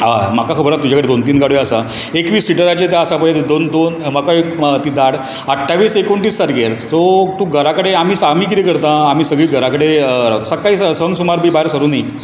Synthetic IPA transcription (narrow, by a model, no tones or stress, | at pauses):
amakakʰəbəɾat̪ːud͡ʑʱakəɽed̪ont̪iːnɡaɽʋeəsa | ekʋiːsːiʈəɾat͡ɕet̪jaəsapəjet̪d̪ond̪onməkaekt̪id̪aɽ | əʈʰːaʋiːsekoɳʈiːssaɾɡeɾt̪ot̪ũɡʱəɾakəɽeam̤iːsam̤iːk̬iɾekəɾt̪ãːmiːsəɡɭiːɡʱəɾakəɽeɾawt̪səkːaiːsəsəŋɡsumaɾbʱiːbaeɾsəɾuːnai